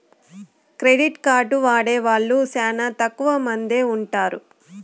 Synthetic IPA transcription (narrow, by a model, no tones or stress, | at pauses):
kɾeɖiʈkaːɾʈuʋaːɽeːʋaːɭːusɛːnɐt̪ɐkːuʋɐmɐnd̪e̞ːuɳʈaːɾu